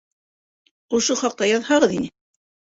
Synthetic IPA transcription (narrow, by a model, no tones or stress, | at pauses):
ŏʃoχɑq̚t̪ɑjɑðhɑʁɤðinɘ